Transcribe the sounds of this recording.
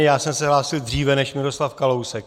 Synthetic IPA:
jaːsɛmsɛɦlaːsɪldriːvɛnɛʃmɪɾo̞slafkalowsɛk

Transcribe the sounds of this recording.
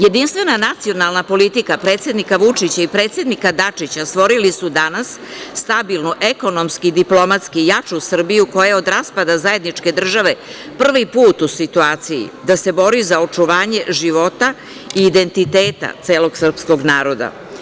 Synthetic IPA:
je̞d̪inst̪vʋe̞nanat̪sio̞nalˠnapo̞lit̪ikapɾe̞ːt̪sʲe̞d̪nikaʋut͡ʂit͡ɕaipɾe̞ːt̪se̞d̪nikad̪at͡ʂit͡ɕast̪ʋo̞ɾilisud̪anasːt̪abilˠnuʔe̞ko̞no̞mskid̪iplo̞mat̪skijat͡ʂusr̩bijuko̞jao̞d̪ɾaspad̪azaje̞d̪nit͡ʂke̞d̪r̩ʒaʋe̞ | pr̩ʋipuːt̪usit̪uaːt̪sijḭd̪ase̞bo̞ɾizao̞t͡ʂuʋaːɲe̞ʒiʋo̞t̪a | iːd̪e̞nt̪it̪e̞ːt̪a̰t̪se̞ːlo̞ɡsr̩psko̞ɡnaːɾo̞d̪a̰

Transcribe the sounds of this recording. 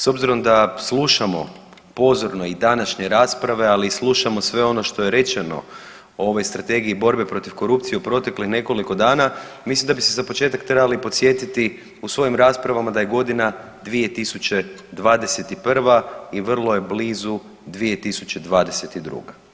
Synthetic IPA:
so̞bziɾo̞md̪aslˠuʃamo̞̰ | po̞zo̞ɾno̞id̪anaʃɲe̞ɾaːspɾaʋe̞alislˠuʃamo̞sʋe̞o̞no̞ʃt̪o̞je̞ɾe̞t͡ʃeno̞̰ | oo̞ʋo̞jst̪ɾat̪e̞ɡiibo̞ɾbepɾo̞t̪iʋko̞ɾupt̪sijeupɾo̞t̪e̞klixne̞ko̞liko̞d̪aːnamislimd̪abisezapo̞t͡ʃe̞ːt̪akt̪ɾebalipot̪sje̞t̪it̪i | usʋo̞jimɾaːspɾaʋamad̪aje̞ɡo̞d̪ina | d̪ʋije̞t̪isut͡ɕe̞d̪ʋaːd̪e̞se̞t̪ipr̩ʋaiʋr̩lˠo̞je̞bliːzu | d̪ʋie̞t̪isu̥t͡ɕe̞d̪ʋaːd̪e̞se̞t̪id̪ɾṵːɡa

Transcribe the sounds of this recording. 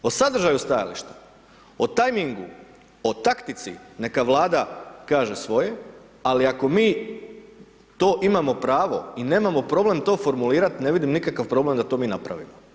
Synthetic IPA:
osad̪ɾ̩ʒajust̪aja̰lḭʃt̪ḁ | ot̪ajmiŋɡṵ | ot̪akt̪it̪sḭne̞kaʋlˠaːd̪akaːʒe̞sʋo̞je̞ | aliako̞miː | t̪o̞ːʔimamo̞pɾaːʋo̞̰ine̞ːmamo̞pɾo̞ble̞mt̪o̞ːfo̞ɾmuliːɾat̪ne̞ʋid̪imnikakaʋpɾo̞ble̞md̪at̪o̞ːmiːnapɾa̰ʋḭmo

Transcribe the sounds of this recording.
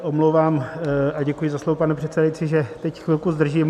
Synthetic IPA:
ʔomlowvaːmʔaɟɛkujɪzaslovopanɛpr̥ɛt̪sɛdajit͡siʒɛt̪ɛcxʋɪlkuzd̪r̩ʒiːm

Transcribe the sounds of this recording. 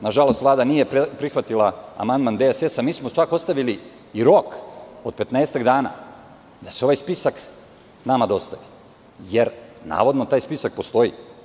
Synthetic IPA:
naʒalo̞st̪ʋlaːd̪anijepɾixʋat̪ilˠaa̰mand̪mand̪esesamiːsmot͡ʃako̞st̪aʋiliː | ɾo̞ko̞d̪̚pe̞t̪neːst̪aɡd̪aːna̰ː | d̪aseo̞ʋajspisak | namad̪o̞st̪aʋi | jeɾna̰ːʋo̞d̪not̪aːjspisak̚po̞st̪o̞i

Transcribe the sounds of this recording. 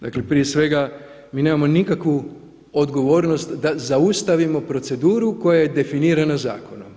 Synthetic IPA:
d̪a̰klepɾije̞sʋe̞ɡa | miːne̞ːmamo̞nikakʋu | o̞d̪ɡo̞ʋo̞ːɾno̞st̪d̪azaust̪aʋimo̞pɾo̞t̪se̞d̪uːɾuko̞jaje̞d̪e̞finiːɾanaza̰ːko̞no̰m

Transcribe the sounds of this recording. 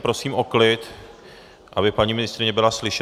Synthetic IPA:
pɾo̞siːmʔoklɪt̪ | ʔabɪpaɲiːmɪnɪst̪ɾɪɲɛbɪlaslɪʃɛ

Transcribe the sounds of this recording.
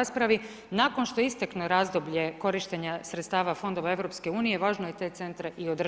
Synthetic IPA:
aspɾaʋi | naːko̞nʃt̪oist̪eknoɾaːzd̪obʎe̞ko̞ɾiʃt̪eɲasɾet̪st̪aːʋafo̞nd̪oʋae̞ʋɾo̞pske̞uːnije̞ʋaːʒnoje̞t̪eːt̪se̞nt̪ɾeʔio̞d̪r

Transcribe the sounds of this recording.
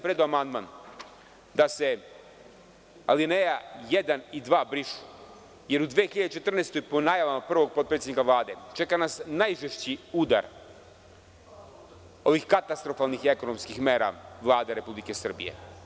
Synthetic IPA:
pɾed̪oamand̪ma̰ːn | d̪ase̞ | a̰line̞jajed̪anid̪ʋaːbɾiʃu̥ | je̞ɾud̪ʋeːxiʎad̪et͡ʃe̞t̪r̩neːst̪o̞jpo̞najaʋamapr̩ʋo̞ɡ̚pot̪pɾetsʲenikaʋlˠaːd̪e̞t͡ʃe̞kanasnajʒeʃt͡ɕiud̪a̰ɾ | o̞ʋixkat̪ast̪ɾo̞falnixieko̞no̞mskixme̞ːɾa̰ʋlˠaːd̪eɾe̞publike̞sr̩bḭjḛ

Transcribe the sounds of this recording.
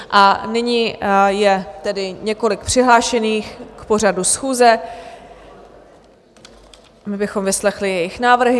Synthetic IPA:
ʔanɪɲijɛt̪ɛdɪɲɛko̞lɪkpr̝̥ɪɦlaːʃɛniːxkpo̞r̝adusxuːzɛ | mɪbɪxo̞mvɪslɛxlɪjɛjɪxnaːvr̩ɦɪ

